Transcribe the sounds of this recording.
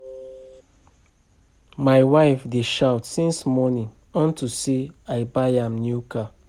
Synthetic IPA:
majwaɪfdeʃawtsĩnsmɔnĩŋ | ɔ̃ntuseaɪbajãmnjuka

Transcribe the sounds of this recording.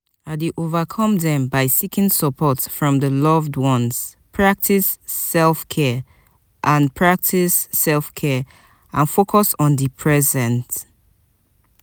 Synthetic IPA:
adiʔovakʰɔ̃mðɛ̃mbaɪsikĩŋsəpʰɔtfɹɔ̃mðəlɔvdwɔ̃nz̥pʰɹak̚tʰisːɛlfkʰɛ | ʔãnpʰɹak̚tʰisːɛlˠfkʰɛ | ãnfokʰɔsɔ̃nðipʰɹɛzɛ̃nt

